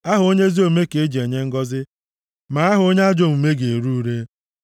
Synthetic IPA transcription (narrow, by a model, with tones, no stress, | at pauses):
a˦ɦʊ˨o˦ɲe˦zi˦o˨me˦ke˨e˦d͡ʒi˨e˨ɲe˦ŋ̩˦ɡɔ˦zɪ˦ | ma˨a˦ɦʊ˨o˦ɲe˦a˦d͡ʒo˦m̩˨me˦ɡe˨e˨ɾu˦u˦ɾe˦